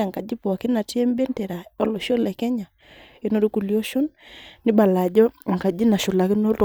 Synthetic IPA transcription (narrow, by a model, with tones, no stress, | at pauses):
a˨ŋka˨d͡ʒi˦pɔ˨a˨ki˦na˨tɛ˦mbɛ˦ntɛ˨ɾa˨ɔ˦lo˨ʃo˦lɛ˨kɛ˦ɲa˨ | e˦no˦˨ɾi˦ku˨ljo˦ʃo˦nːi˦ba˨la˨d͡ʒɔ˦˨ŋ˨ka˨d͡ʒi˦na˨ʃo˨la˨ki˦no˦t